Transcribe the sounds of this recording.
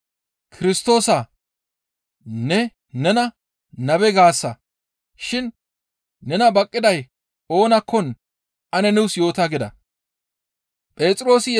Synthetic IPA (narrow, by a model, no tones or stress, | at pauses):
kʰɪɾɪst̪o̞ːsa | nɛ | nɛnɐ | nɐbɛɡaːsːɐ | ʃɪnː | ɛnɐbɐkʼːɪd̪ɐj | o̞ːnɐkʰːɔn | ʔɐnɛnɛwsjo̞ːt̪aɡɪd̪ɐ | pʼe̞ːt̪ʼɾo̞ːsɪj